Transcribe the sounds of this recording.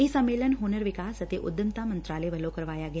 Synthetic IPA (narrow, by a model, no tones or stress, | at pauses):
ɪsɐmːeːlənɦoːnəɾʋɪkaːsɐt̪eʔʊd̪jəmt̪amə̃nt̪ɾaːleʋəlokɐɾʋaːjaɡɐja